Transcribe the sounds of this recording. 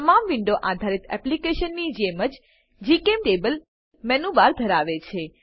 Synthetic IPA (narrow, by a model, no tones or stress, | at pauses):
t̪əmamʋɪɳɖoʔad̪ʱaɾit̪ɛ̰plikeʃənːid͡ʒeməd͡ʒ | d͡ʒikemʈebəl | mɛnubaɾd̪ʱəɾaʋet͡ʃʰe